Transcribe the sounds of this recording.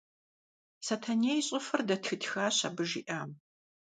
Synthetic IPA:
sɐtʰanejɕʼɪfɐrdɐtxɨtʰxaːɕɐ̰bɨʒḭʔaːm

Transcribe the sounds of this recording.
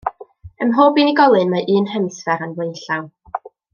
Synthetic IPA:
əmɦoːbiniɡɔlˠɨnmaʔɨːnɦɛmsvɛɾanwejɬaw

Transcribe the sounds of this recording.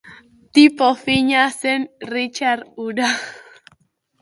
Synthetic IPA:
t̪ipɔfiɲasɛnrit͡ʃaɾuda

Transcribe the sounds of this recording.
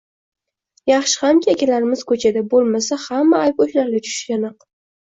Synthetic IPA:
jɑχʃɪ̥hamkʲaekʲʰalaɾɪmɪzkʰɵt͡ʃʰad̪abolˠmasahamːaːjp̚oʃlaɾlʲat͡ʃʰʊ̥ʃkʲanɨq

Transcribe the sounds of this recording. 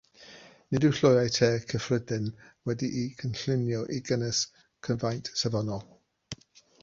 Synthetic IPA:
nɪdɪwɬɔjajtʰɛːkʰəfrədɪnwɛdiʔikʰənɬɪnjɔʔiɡənəs | kʰənvajntʰsɛvɔnɔlˠ

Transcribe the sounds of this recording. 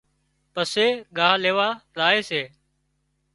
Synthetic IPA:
pəseːɠaːɦleːʋaːɾaːeːseː

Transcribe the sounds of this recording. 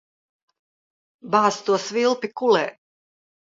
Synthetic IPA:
baːst̪uɔsvilˠpikulɛː

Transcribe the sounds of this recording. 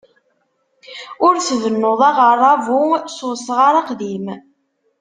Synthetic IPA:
ʊɾsðənːoðˤɑʁəɾˤːɑvususəʁaɾˤɑqðim

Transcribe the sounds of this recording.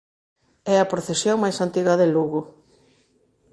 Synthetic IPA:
ɛɐpɾoθesjoŋmajsant̪iɣɐðeluɣʊ

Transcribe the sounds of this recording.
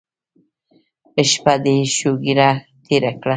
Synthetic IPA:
əʃpad̪eʃoɡiɾa | t̪ʰeɾakɽa

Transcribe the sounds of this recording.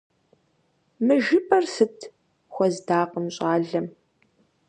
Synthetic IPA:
mɨʒɪpʼɐrsɨtʰ | xʷɔzdaːqəmɕʼaːɮɐm

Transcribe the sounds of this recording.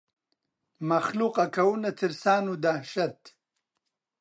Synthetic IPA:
mɐxluqɐkʰɐwunɐt̪ʰiɾsaːnud̪ahʃɐt̪

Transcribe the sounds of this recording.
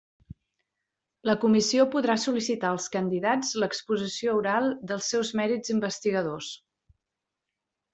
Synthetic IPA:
ləkumisiopuðɾasulisit̪aəlˠskənd̪iðad͡zləkspuzisiouɾalˠd̪əlˠsːɛwzmɛɾid͡zimbəst̪iɣəðos

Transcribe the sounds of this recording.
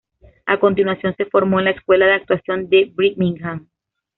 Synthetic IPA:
ako̞nt̪inwasjo̞nse̞fo̞ɾmo̞enlaeskwe̞laðeak̚t̪wasjo̞nd̪e̞bɾikmĩŋɡam

